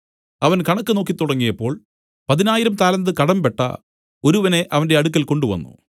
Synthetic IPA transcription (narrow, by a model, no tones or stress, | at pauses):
ɐʋɐnkɐɳɐkːɨno̞ːkːit̪ːuɽɐŋːijɐpːo̞ːɭ | pɐðinaːjiɾɐmt̪aːlɐnd̪ɨkɐɽɐmpe̞ʈːɐ̰ | o̞ɾuʋɐne̞ʔɐʋɐnde̞ɐɽuk̬ːɐlko̞ɳɖuʋɐ̰nːṵ